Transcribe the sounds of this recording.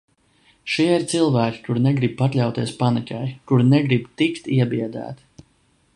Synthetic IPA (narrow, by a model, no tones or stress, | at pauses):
ʃiɛiɾt̪silˠvæːkʲi̥kuɾnɛɡɾib̚pat̪lʲawt̪iɛspanikʲajkuɾnɛɡɾibt̪ikt̪iɛbiɛd̪æ̰ːt̪i̥